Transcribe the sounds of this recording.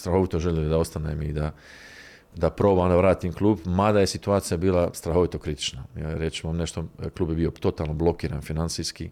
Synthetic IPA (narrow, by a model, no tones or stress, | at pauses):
st̪ɾaxo̞ʋit̪o̞ʒeʎelid̪ao̞st̪anemid̪a | d̪apɾo̞ːbamd̪aʋɾaːt̪imklˠuːbmad̪aje̞sit̪uaːt̪sijabiːlast̪ɾaɦo̞ʋit̪o̞kɾit̪i̥t͡ʃnaja̰ːɾjet͡ʃumamneʃt̪oklˠuːbjebio̞t̪o̞t̪aːlˠnoblˠo̞kiːɾa̰ːnfinant̪siski